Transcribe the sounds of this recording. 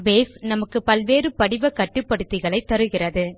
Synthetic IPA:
ʋeːsnɐmɐkːɯpɐlʋeːɾɯpɐɽɪʋɐkːɐʈːɯpːɐɽɯt̪ːɪɣɐɭɐɪt̪ːɐɾɯɣɪrɐðɯ

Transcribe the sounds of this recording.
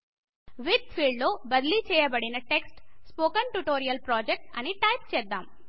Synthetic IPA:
ʋit̪fʰiːɭɖloːbɐd̪lit͡ʃɛːjɐbɐɽinɐʈeksʈspoːkɐnʈuʈoːɾijɐlpɾaːd͡ʒek̚ʈɐniʈɐjpt͡ʃɛːd̪ːaːm

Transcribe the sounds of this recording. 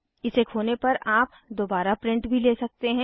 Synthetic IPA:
ɪsekʰoːnepɐɾaːp | d̪oːbaːɾapɾɪ̃ɳʈbʱileːsɐk̚t̪eɦɛ̃ː

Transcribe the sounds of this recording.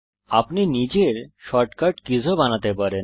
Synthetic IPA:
apninid͡ʑeɾʃɔʈkaʈkid͡ʑʱobanat̪epaɾen

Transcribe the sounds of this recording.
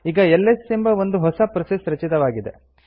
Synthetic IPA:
iːɡɐɛlːesimbɐʋond̪uɦɔsɐpɾɐsesɾɐt͡ʃit̪ɐʋaːɡid̪ḛ

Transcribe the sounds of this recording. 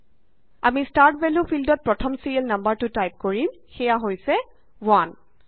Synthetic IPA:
amistaɹtbɛlupʰildɔt̚pɹɔtʰɔmsiɹelnambaɹtʊtajp̚koɹim | xɛjaɦojsɛ | wan

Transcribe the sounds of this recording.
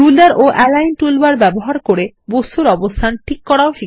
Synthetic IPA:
ɾulaɾʔoʔɛlajnʈulbaɾbɛboɦaɾkoɽe | bost̪ʰuɾɔbost̪ʰanʈʰikːɔɽaoʃi

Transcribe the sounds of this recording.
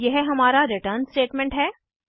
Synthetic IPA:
jeɦɦɐmaːɾaɾɪʈəːɾnsʈeːʈmɛ̃ɳʈɦɛː

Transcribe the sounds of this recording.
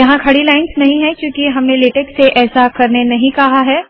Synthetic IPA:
jɐɦãkʰɐɽilaːɪnsnɐɦĩɦɛ̃kjũːkiɦɐmneleːʈeːkseʔɛːsakɐɾnenɐɦĩkɐɦaɦɛː

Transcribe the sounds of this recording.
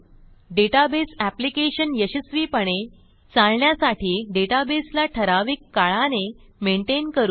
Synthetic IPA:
ɖeʈabesæplikeɕənjəɕəsʋiːpəɳe | t͡salɳjasaʈʰiːɖeʈabeslaʈʰəɾaʋiːkːaɭanemeɳʈenkəɾuː

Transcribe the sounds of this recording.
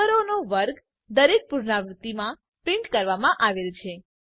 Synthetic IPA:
əɾonoʋəɾɡ | d̪əɾek̚puɾɳaʋɾʊt̪ːimã | pɾɪ̃ɳʈkəɾʋamãʔaʋelt͡ʃʰe

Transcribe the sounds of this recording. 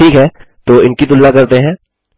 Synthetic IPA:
ʈʰiːkɦɛːt̪oːɪnkit̪̬ʊlːakɐɾt̪eɦɛ̃ː

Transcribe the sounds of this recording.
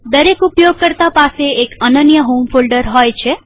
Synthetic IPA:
d̪əɾekupjoɡ̚kəɾt̪apaseekənənjəɦomfolɖəɾɦojt͡ʃʰe

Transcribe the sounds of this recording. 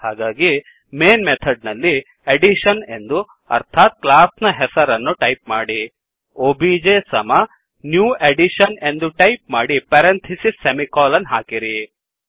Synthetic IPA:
haːɡaːɡi | meːnmet̪ʰɐɖ̚nɐlːi | eɖiʃɐne̞nd̪u | ɐ̰ɾt̪ʰaːt̪̚klaːsnɐɦɛsɐɾɐnːuʈɐjp̚maːɽi | oːbid͡ʒeːsɐmɐ | njuːeɖiʃɐne̞nd̪uʈɐjp̚maːɽipɐɾent̪ʰisisemikɔːlɐnːɦaːkiɾi

